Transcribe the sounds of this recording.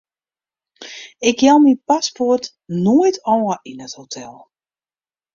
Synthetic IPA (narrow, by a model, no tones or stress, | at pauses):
ɪkjɛlˠminpasport | noəjtʰɔːəʔinəthotʰɛlˠ